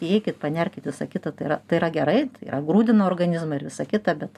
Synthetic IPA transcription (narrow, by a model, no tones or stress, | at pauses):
ɛɪkʲɪt̪̚pɐnʲɛrʲkʲɪt̪ʲʋʲɪsɐkʲɪt̪ɐt̪ɐɪɾɐt̪ɐɪɪɾɐɡʲɛɾɐɪt̪ɐɪḭːɾɐɡɾuːd̪ʲɪnooːrɡɐnʲɪzmɐɪɾʋʲɪsɐkʲɪt̪ɐbʲɛt̪